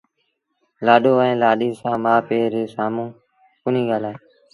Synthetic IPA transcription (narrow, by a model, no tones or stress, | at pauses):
laːɗoːɛ̃ːlaːɗiːsãːmãːpeːɾeːsaːmũː | kʊniːɠaːlaːe